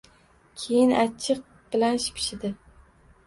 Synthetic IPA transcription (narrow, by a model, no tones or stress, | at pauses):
kʲʰejɪnat͡ʃʰːɪq̚ | b̥ɪlanʃɪ̥pʰʃɪd̪ɪ